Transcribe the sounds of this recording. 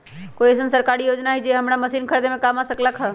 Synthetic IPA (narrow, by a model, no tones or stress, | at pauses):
koiɛsənsəɾkaɾijod͡ʒnaɦɛd͡ʒeɦəmɽaməsinkʰəɾd̪emẽkamasəkləkɦə